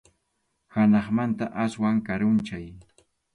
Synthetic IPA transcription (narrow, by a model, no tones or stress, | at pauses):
hanɑχmant̪aʔaswaŋkaɾʊnt͡ʃaj